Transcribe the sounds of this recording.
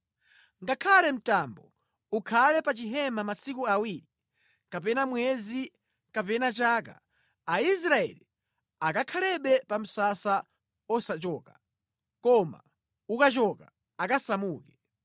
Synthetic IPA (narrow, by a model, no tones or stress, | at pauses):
ŋɡakʰalɛm̩tambɔ | ukʰalɛpat͡ʃiɦɛmamasikuawiɾi | kapɛnamwɛzi | kapɛnat͡ʃaka̰ | ais̬ɾaɛ̰li | akakʰalɛɓɛpam̩sasa | ɔsat͡ʃɔːka | kɔma̰ | ukat͡ʃɔka | akasamuːkɛ